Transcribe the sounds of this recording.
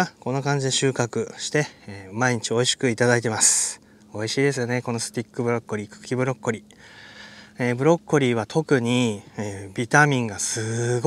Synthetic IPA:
ako̞no̞kãɲ̟d͡ʑid̪e̞ɕɨːkakɯ̟ɕi̥t̪e̞maiɲ̟it͡ɕio̞iɕi̥kɯ̟it̪ad̪ait̪e̞masɨ̥ | o̞iɕiːd̪e̞s̬ɨjo̞ne̞ko̞no̞sɨ̥t̪ʲikːɯ̟bɯ̟ɾo̞kːoɾʲiːkɯ̥kʲːibɯ̟ɾo̞kːoɾʲi | eːbɯ̟ɾo̞kːoɾʲiːβ̞at̪ʰo̞kɯ̟ɲ̟ieːbʲit̪amʲĩŋɡasɨɡ

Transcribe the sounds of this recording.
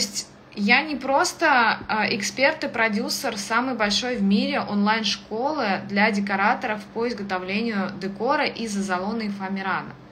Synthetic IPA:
t̪sʲtʲ | janʲɪpɾo̞st̪əʔɪkspʲert̪ɨpɾɐdʲusərsamɨjbɐlʲʂo̞jvmʲiɾʲɪʔonlˠajnʂko̞lˠɨd̪lʲadʲɪkɐɾat̪əɾəfpoɪzɡət̪ɐvlʲenʲɪjʊd̪ɨko̞ɾəʔizəzɐlˠo̞nɨɪfɐmʲɪɾanə̰

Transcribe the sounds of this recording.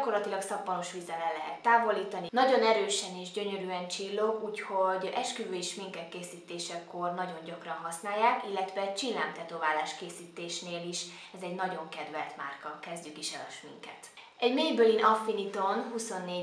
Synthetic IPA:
ko̞rlɒt̪ilɒksɒpːɒnoʃʋizɛlɛnlːɛɦɛt̪ːaːvo̞liːt̪ɒninɒɟo̞nɛɾøːʃɛniːʒɟø̞ɲøɾyɛnt͡ʃilːo̞kuːcho̞ɟɛʃkøvøeʃmiŋkɛt̪keːsiːt̪eːʃɛkːo̞rnɒɟo̞ɲɟɒkrɒnɦɒsnaːjːaːkilːɛt̪ʋɛt͡ʃilːa̰ːmt̪ɛt̪oːvaːlaːʃkeːsiːt̪eːʃneːliʃ | ɛzɛɟnɒɟo̞ŋkɛd̪ʋɛlt̪ma̰ːrkɒkɛzɟykiʃɛlɒ̰ʃmḭŋkɛ̰t̪ | ɛɟmeːjbølinɒfinit̪onɦuso̞nːeː

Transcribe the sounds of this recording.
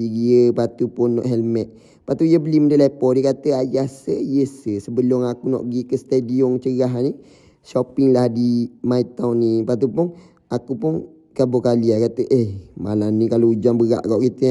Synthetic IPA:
iɡiəpat̪upʊnːɔ̰ʔɦɛlmɛt̪̚ | pat̪ujəbəlimədəlapɔdəkat̪əajahsəjəsəsəbəlʊŋakunɔ̰ʔɡikəst̪adiɔŋt͡ʃəɡaɦani | ʃɔpɪŋlahdimait̪awnːipat̪̬upʊn | akupʊn | kabokaliakat̪əʔehmalamnikaloud͡ʒaŋbəɣa̰ʔkaʔkit̪ə

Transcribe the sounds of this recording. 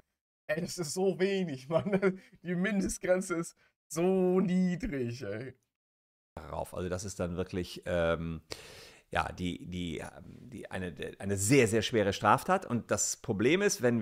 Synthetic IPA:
ʔɛdasɪstz̥oːveːnɪçvandad̥iːmɪndəstɡ̥ʁɛnt͡səɪst | z̥oːniːdʁɪçɛ | ʁa̰ʊfʔa̰lzodas̬ɪst̚d̥anvɪɐklɪçʔɛːm | ja̰ːd̥ḭːdiːɛ̰md̥iːʔa̰ɪnədʔaɪnəzeːɐzeːɐʃv̥eːʁ̞əʃtʁ̥aːftʰaːtʊ̰nt̚d̥aspʁ̥obleːmɪstv̥ɛn

